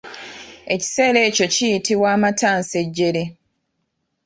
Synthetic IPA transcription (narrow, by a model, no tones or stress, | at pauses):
e̞ci̥se̞ːle̞ːco̞cijitiwaːmataːnse̞ɟːe̞ɾi